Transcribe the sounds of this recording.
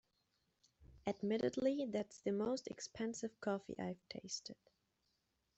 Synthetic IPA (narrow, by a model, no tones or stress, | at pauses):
ɨdmɪɾɨ̰dˡliðætsðɨmoʊstɨ̰kspʰɛ̃nsɨv̥kʰɔfḭʔa̰ɪv̥tʰeɪstɨd̥